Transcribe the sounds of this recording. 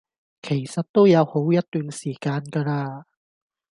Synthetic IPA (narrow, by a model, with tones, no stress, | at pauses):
kʰe˨˩jsɐ˨t̚t̪o˥wjɐ˨˧who˨˥wjɐ˥t̚t̪yː˨nsiː˨˩kaː˧nkɐː˧laː˧